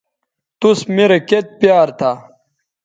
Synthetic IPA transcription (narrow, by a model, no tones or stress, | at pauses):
t̪usmeɾɐket̪̚pjaːɾt̪ʰaː